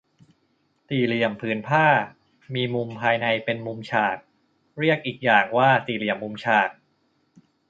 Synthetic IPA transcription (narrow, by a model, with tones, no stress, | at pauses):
t̪iː˨˩li˨˩əmpʰɯː˩˦npʰaː˥˩ | miː˧mu˧mpʰaː˧jna˧jpe˧nmu˧mt͡ɕʰaː˨˩t̪̚ | ɾi˥˩ək̚ʔiː˨˩k̚jaː˨˩ŋwaː˥˩t̪iː˨˩li˨˩əmːu˧mt͡ɕʰaː˨˩t̪̚